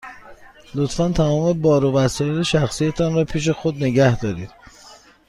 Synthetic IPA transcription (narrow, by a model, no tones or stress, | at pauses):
lot̪fænt̪ʰæmɒːme̞bɒːɾobæsɒɾt̪eʃæxsijet̪ʰɒnɾɒːpʰiːʃ̬e̞xod̪ne̞ɡæhd̪ɒːɾiːd̪̥̚